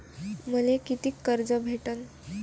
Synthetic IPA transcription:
məlekit̪iːkːəɾd͡zəbʱeʈən

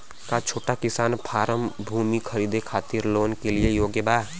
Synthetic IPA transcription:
kat͡ʃʰoːʈakɪsaːnpʰaːɾəmbʱuːmikʰəɾiːd̪ekʰaːt̪iɾloːnkeliejoːɡjəbaː

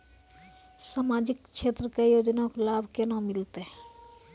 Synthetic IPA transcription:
saːmaːd͡ʒɪkʃʰeːt̪ɾəkejoːd͡ʒnaklaːbʱkenãmɪlt̪eɦ

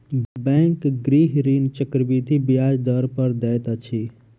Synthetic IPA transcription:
bɛ̃ŋkɡɾiɦɾint͡ʃəkɾbid̪ʱibijad͡ʒd̪əɾpəɾd̪ɛt̪ət͡ʃʰi

